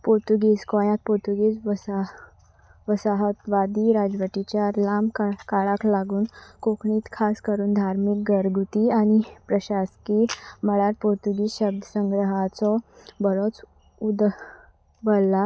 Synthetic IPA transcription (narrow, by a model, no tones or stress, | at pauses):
poɾt̪uɡiːskɔjãt̪̚poɾt̪uɡiːsʋəa | ʋəsaɦət̪ʋad̪iɾad͡zʋəʈ̪it͡ɕjalamkakaɭaklaɡuːnkokɳiːt̪kʰaskəɾuːnd̪ʱaɾmik̚ɡəɾɡut̪iañipɾəɕaskiməɭaɾpoɾt̪uɡiːsɕəb̚d̪ʱəsəŋɡɾəɦat͡sɔbəɾot͡s | ud̪ | bəlːa